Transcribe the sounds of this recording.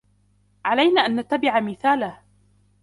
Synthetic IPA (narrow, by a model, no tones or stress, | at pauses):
ʕalajnaːʔanːat̪ːabɪʕamɪθaːlah